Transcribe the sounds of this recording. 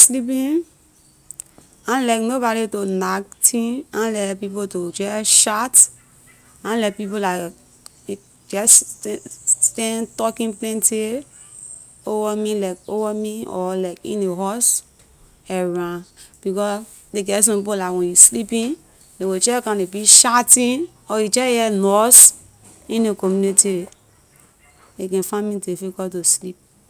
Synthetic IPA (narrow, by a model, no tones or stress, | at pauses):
slipĩn | ãnlaɪknobɔɾitonaktʰĩãnlɛtpipotoɡɛʃat | ãnlɛt̚pip̬olaɪk | ɡɛ | stɛ̃ntɔkĩnplɛ̃nti | ovamĩlaɪkovamĩɔ̰laɪkḭ̃neɦɔs | ɛɹãb̥ikɔs | deɡɛs̬ɔ̃pipolaɪkwɛ̃juslipĩn | dewot͡ʃɛkãnebiʃatĩn | ɔjid͡ʒɛjɛnɔs | ĩnekɔmjuniti | ekɛ̃nfãmĩtefeɡɔtoslip̚